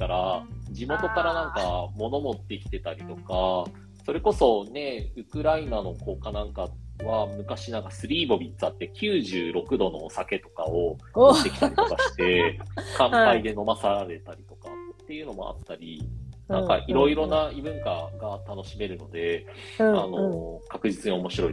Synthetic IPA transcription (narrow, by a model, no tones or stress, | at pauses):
kaɾad͡ʑimo̞t̪o̞kaɾanãŋkamo̞no̞mo̞t̪ːe̞kʲi̥t̪e̞t̪aɾʲit̪o̞ka | so̞ɾe̞ko̞so̞ne̞ɯ̟kɯ̟ɾainano̞ko̞ːkanãŋkaβamɯ̟kaɕinãŋkasɨɾʲiːbo̞bʲit̪ːt͡sɨat̪ːe̞kʲɨːʑɨːɾo̞kɯ̟d̪o̞no̞̰sake̞t̪o̞kao̞ɕi̥t̪e̞ki̥t̪aɾʲitokaɕi̥t̪e̞kãmpaid̪e̞no̞masaɾaɾe̞t̪aɾʲit̪o̞kat̪ːe̞jɯ̟no̞mo̞̰a̰t̪ːaɾʲinãka̰ʔiɾo̞iɾo̞naibɯ̟̃ŋkaɡat̪ano̞ɕime̞ɾɯ̟no̞d̪e̞anokakɯ̟ʑit͡sɨɲio̞mo̞ɕiɾo̞i